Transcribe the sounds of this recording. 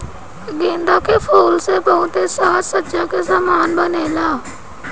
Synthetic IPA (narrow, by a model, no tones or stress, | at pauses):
ɡẽːnd̪aːkeːpʰoːlsepəʊt̪eːsaːt̪sətːʃakesaːmaːnbəneːlaː